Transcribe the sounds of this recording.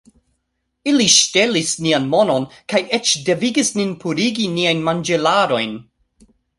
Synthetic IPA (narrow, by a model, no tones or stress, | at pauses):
iliʃte̞lisnianmo̞no̞nkajet͡ʃde̞viɡisninpʰuɾiɡiniajnmand͡ʒelaɾo̞jn